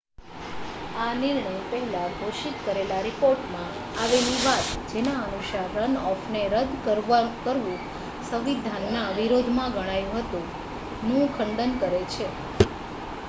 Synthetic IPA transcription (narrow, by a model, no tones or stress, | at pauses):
anɪɾɳəjpəɦilaɡʱoʃit̪kəɾelaɾipoɾʈmã | aʋeliʋat̪d͡ʒenaənuʃaɾənɔfʰneɾəd̪ʱkəɾʋakəɾʋũ | sə̃ʋid̪ʱanːaʋiɾod̪ʱmãɡəɽ̃ajũɦət̪ũ | nũkʰəɳɖənkəɾet͡ʃʰe